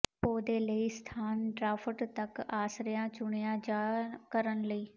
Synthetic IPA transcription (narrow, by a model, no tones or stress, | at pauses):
poːd̪eːləiːst̪ʰaːnɖɾaːpʰəʈt̪əkaːsɾɪjãːt͡ʃʊɳ̃ijãːd͡ʒaːkəɾənləiː